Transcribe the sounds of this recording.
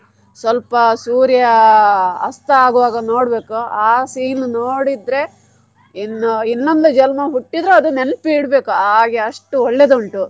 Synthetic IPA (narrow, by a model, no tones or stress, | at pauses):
sʋɐlpɐsuːɾjɐ | ɐ̰st̪ɐaːɡuʋaːɡɐno̞ːɽbe̞ːkuaːsiːnunoːɽid̪ɾe̞ | inːɐinːɐnd̪ud͡ʒɐlmɐɦuʈːid̪ɾuɐd̪unenpiːɽbe̞ːkuaːɡeɐʂʈuɔɭːed̪uuɳʈu